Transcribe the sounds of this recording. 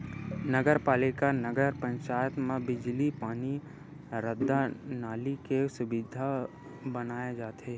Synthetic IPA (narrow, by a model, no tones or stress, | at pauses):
nəɡəɾpaːlɪkanəɡəɾpə̃ɲt͡ʃaːjət̪mẽbɪd͡ʒlipaːni | ɾəd̪ːanaːlikesʊbɪd̪ʱa | bɐnaːjed͡ʒaːt̪eː